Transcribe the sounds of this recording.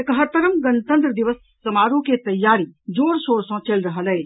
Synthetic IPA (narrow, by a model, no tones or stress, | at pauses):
ekɐɦəɾt̪əɾəmɡɐnt̪ə̃nt̪ɾəd̪iʋəsːɐmaːɾũket̪ɐjːaːɾid͡ʒoːɾsoːɾsɔ̃t͡ʃelɾɐɦəlɐe